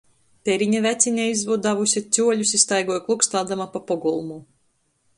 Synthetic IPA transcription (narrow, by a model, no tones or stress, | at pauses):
t̪eɾiɲavæt̪sʲiɲʲaizvud̪d̪avusʲit̪sʲuɔʎʲusist̪ajɡɔjklˠukst̪aːd̪amapapɔɡɔlˠmu